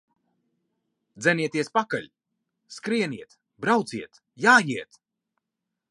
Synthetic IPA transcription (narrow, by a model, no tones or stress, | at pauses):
d̪zɛniɛt̪iɛspakaʎʲ | skɾiɛniɛt̪ | bɾawt̪siɛt̪ | jaːjiɛt̪